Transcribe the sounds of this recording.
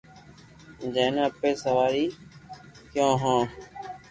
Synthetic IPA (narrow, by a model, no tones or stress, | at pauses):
d͡ʒeːnəpeːsəʋaːɾiː | kjõːɦãː